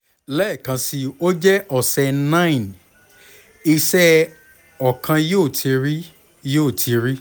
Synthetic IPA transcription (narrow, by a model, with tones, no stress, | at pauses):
lɛ˦˨kã˧si˧o˦d͡ʒɛ˦ʔɔ˨sɛ˧nã˦ĩ˨n | i˧sɛ˦ | ɔ˨kʰã˧joː˦˨tʰi˧ɾi˦ | joː˦˨tʰi˧ɾi˦